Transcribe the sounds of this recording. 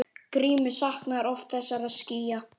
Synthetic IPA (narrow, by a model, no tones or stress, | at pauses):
kɾiːmʏsahknaɾɔft̪θɛsːaɾaðsciːja